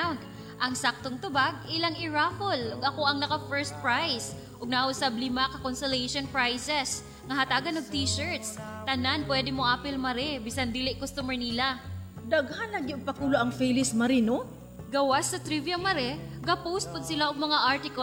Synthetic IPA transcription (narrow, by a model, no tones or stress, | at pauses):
awnt̪ | ʔɐŋsak̚t̪oŋt̪ʊbaɡ̚ɪlaŋɪɹafolʔʊɡɐko̞ʔɐŋnɐkɐfɛɹst̪̚pɹajs | ʔʊɡ̚nɐusablɪmɐkɐkonsolɛjʃonpɹajsɛs | ŋɐɦɐt̪aːɡɐnoɡ̚t̪iːʃɛɹt̪st̪ɐnanpwɛd̪ɪmoʔaːpɪlmɐɾɛbisɐnd̪iːlɪʔkost̪umɛɹnilad̪aɡ̚hanːɐɡɪʊɡ̚pɐkuːloʔɐŋfɛjlɪsmɐɾɪno | ɡɐwasːɐt̪ɾivijɐmɐɾɛɡɐpowst̪̚pod̪̚sɪlaʔʊɡ̚mɐŋaʔaɹt̪ɪko